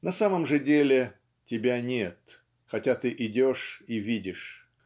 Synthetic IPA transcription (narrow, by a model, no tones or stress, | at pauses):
nɐsaməmʐɨdʲelʲɪ | tʲɪbʲanʲet̪ | xɐtʲat̪ɨʔɪdʲoʂivʲidʲɪʂ